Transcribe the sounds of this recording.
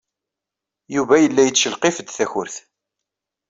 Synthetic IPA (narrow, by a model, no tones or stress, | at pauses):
juvæjəlːæjət͡sːʃəlqefəd̪θæçʊɾθ